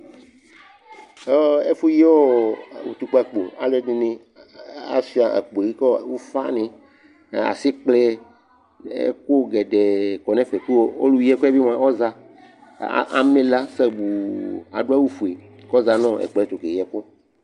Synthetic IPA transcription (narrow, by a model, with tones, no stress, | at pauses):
o˦e˦fu˦je˦wo˦˨wu˨t̪u˨k͡pe˨k͡pu˨a̰˨le˦dĩ˨nẽ˦ | a̰˦si˦a˨ʔḛ˨k͡po˨i˦kɔ˦˨˦wu˦fa̰˦nẽ˨ | a̰˨si˦k͡ple˦ | ḛ˦ko˦ɡɛ˨ɖe˨kɔ˨nẽ˦fe˨ku˦wo˦o̰˦lu˨jɛ˦ko˦e˦vi˦m˨ã˨wɔ˦za˨ | ʔa̰˨mẽ˦la˦se˦bu˨a̰˨ɖo˦a˦wu˦fu˨e˨ | kɔ˦za˨nɔ̃˦ḛ˨k͡pe˨e˦˨t̪u˨ke˨jɛ˨ko˦